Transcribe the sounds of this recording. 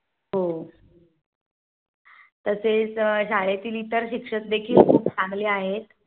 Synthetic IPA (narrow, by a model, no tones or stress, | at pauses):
ɦo | t̪əset͡sɕaɭet̪iːlit̪əɾɕikʂət̪̚d̪ekʰiːlkʰuːp̚t͡sãŋɡleːaɦet̪